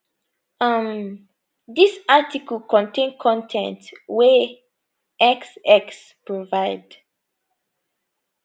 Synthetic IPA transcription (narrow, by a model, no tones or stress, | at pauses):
ʌm | disatikəlkɔ̃ntʰẽnkʰɔ̃ntʰɛ̰̃ntwe | ɛksɛks | pɹovaɪd̥